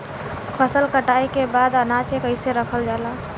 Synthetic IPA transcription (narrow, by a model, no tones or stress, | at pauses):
pʰəsəlkəʈajkebad̪ənat͡ʃekəɪseɾəkʰəld͡ʒala